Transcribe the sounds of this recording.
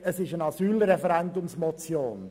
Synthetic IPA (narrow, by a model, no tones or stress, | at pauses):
əsɪʃənɑsyːlɾɛfɛɾɛndʊmsmɔt͡sjoːn